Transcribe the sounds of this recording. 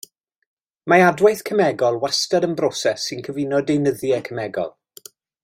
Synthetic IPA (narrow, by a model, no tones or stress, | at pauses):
maadwajθkʰəmɛɡɔlˠwastəɾənbrɔsɛsːɪnkʰəvɪnɔdejnəðjɛkʰəmɛɡɔ̰lˠ